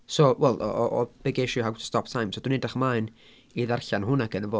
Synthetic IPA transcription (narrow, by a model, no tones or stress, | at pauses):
sowɛlˠɔ̰ʔɔʔɔb̥ɛɡeʃɨɦaɡwə̥stʰɔp̚tʰajmsodunɛdaχmaɨn | iðarɬanɦʊnaɡ̥ənəvo